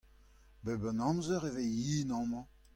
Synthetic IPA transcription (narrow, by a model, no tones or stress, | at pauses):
bɛbənɑ̃mzœʁeveiːnɑ̃mɑ̃